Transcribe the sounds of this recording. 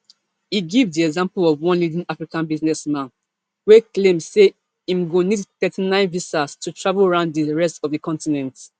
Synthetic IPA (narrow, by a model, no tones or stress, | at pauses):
iɡivdiɛɡzãmpəlɔvwɔ̃nlidĩŋafɹikãnbiznɛsmãn | weklẽmse | ĩmɡonidθɛtʰinãɪ̃nvisastʰutʰɹavlˠɹãʊ̃ndðəɹɛstɔvðəkʰɔ̃ntinɛ̃nt